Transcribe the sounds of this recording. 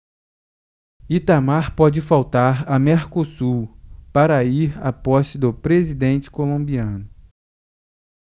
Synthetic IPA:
it̪amaɾpɔd͡ʒɪfawt̪aɾɐmeɾkosuɾpaɾɐiɾa̰pɔʃt͡ʃɪd̪ʊpɾezid̪ẽnt͡ʃɪ̥kolõmbiɐ̃nʊ

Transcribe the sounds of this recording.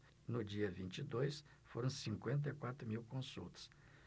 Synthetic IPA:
nʊd͡ʒiɐvĩnt͡ʃid̪ojs | foɾɐ̃w̃sĩŋkwẽnt̪̬ɐikwat̪ɾʊmiwkõsṵlt̪ɐ̥s

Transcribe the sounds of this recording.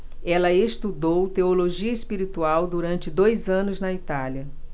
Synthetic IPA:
ɛlɐest̪ud̪owt̪eoloʒiɐespiɾit̪uawd̪uɾɐ̃nt͡ʃɪd̪ojzɐ̃nʊznɐit̪aliɐ

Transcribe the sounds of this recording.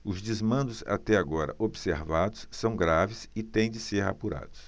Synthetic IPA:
ʊzd͡ʒɪzmɐ̃nd̪ʊza̰t̪ɛaɡɔɾɐ̰ʔobseɾvad̪ʊsːɐ̃w̃ɡɾavɪsɪt̪ẽj̃d͡ʒɪseɾa̰puɾa̰d̪ʊs

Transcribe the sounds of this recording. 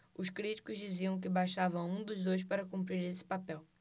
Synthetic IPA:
ʊʃkɾit͡ʃi̥kʊzd͡ʒiziɐ̃w̃k̬ɪbaʃavɐũd̪ʊzd̪ojʃ̬paɾɐkũmpɾiɾesɪ̥papɛw

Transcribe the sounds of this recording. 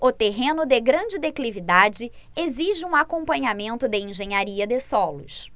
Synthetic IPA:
ʊt̪eɦẽnʊd̪eɡɾɐ̃d͡ʒɪd̪eklivid̪ad͡ʒɪ | eziʒɪũakõpɐ̃ɲamẽnt̪ʊd̪ɪẽʒẽɲaɾiɐd̪ɪsɔlʊs

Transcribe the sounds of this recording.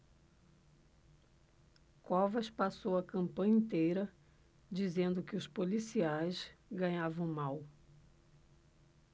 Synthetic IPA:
kɔvɐʃpasowɐkɐ̃mpɐ̃ɲɐĩnt̪ejɾɐ | d͡ʒizẽnd̪ʊkɪʊspolisiajsɡɐ̃ɲavɐ̃w̃maw

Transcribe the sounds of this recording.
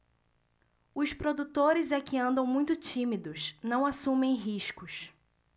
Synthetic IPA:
ʊspɾod̪ut̪oɾɪzɛkɪɐ̃nd̪ɐ̃w̃mũj̃t̪ʊt͡ʃĩmid̪ʊsnɐ̃w̃asũmẽj̃ɦiʃkʊs

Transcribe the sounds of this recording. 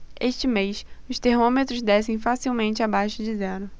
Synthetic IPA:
eʃt͡ʃɪmejsʊst̪ehmõmet̪ɾʊzd̪ɛsẽj̃fasiwmẽnt͡ʃɪabajʃʊd͡ʒɪzɛɾʊ

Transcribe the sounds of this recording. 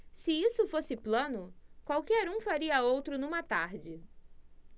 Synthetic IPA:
sɪisʊfosɪplɐ̃nʊkwawkɛɾũfaɾiɐowt̪ɾʊnũmɐt̪aɾd͡ʒɪ

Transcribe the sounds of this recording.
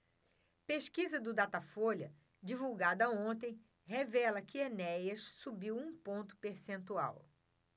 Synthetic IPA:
peʃkizɐd̪ʊd̪at̪afolɐ | d͡ʒivuwɡad̪ɐõnt̪ẽj̃ | hevɛlɐkɪenɛjɐʃsubiwũpõnt̪ʊ̥peɾsẽnt̪ua̰w

